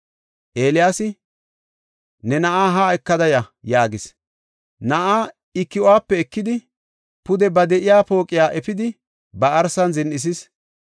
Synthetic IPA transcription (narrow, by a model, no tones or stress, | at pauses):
ʔeːlɪjaːsɪ | nɛnɐʔaːɦaɛkːɐd̪ɐjɐjaːɡɪs | nɐʔaː | ɪkːɪwaːpːɛɛkːɪd̪ɪ | pʊd̪ɛbɐd̪ɛʔɪjaːpo̞ːkʼːɪjaːʔɛpɪd̪ɪ | bɐɐɾsɐnzɪnʔɪs̬ɪs